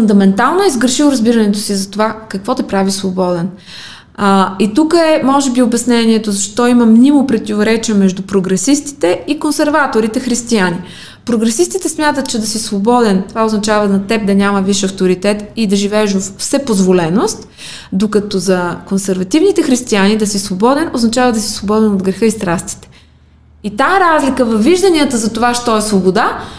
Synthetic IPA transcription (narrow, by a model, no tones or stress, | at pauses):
fʊnd̪ɐmɛnt̪alˠnoɛizɡəɾʃilˠɾɐzbiɾɐnɛt̪osizɐt̪ovakɐkvɔt̪ɛpɾavisvobɔd̪ɛn | it̪ukəɛmɔʒɛbiobɛsnɛniɛt̪ozɐʃt̪ɔiməmnʲimopɾɛt̪ivoɾɛt͡ʃiəmɛʒd̪upɾoɡɾɛsist̪i̥t̪ɛikonsɛɾvat̪oɾit̪ɛxɾist̪iani | pɾoɡɾɛsist̪it̪ɛsmʲjat̪ət̪̚t͡ʃɛd̪ɐsisvobɔd̪ɛnt̪ovaoznɐt͡ʃavənɐt̪ɛp̚d̪ɐnʲamɐviʃɐft̪oɾit̪ɛt̪id̪ɐʒivɛɛʒoffsɛpozvolɛnost̪ | d̪okɐt̪ɔzɐkonsɛɾvɐt̪ivnit̪ɛxɾist̪ianid̪ɐsisvobɔd̪ɛnoznɐt͡ʃavɐd̪ɐsi̥svobɔd̪ɛnod̪ɡɾɛxɤist̪ɾast̪i̥t̪ɛ̥ | it̪aɛɾazlikəvɐvvːiʒd̪ɐniət̪əzɐt̪ovaʃt̪ɔɛsvobod̪a